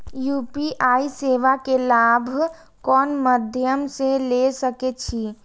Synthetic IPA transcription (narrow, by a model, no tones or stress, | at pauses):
juːpiʔaːiseːʋakelaːbʱ | kɔːnməd̪ʱjəmselesəket͡ʃʰi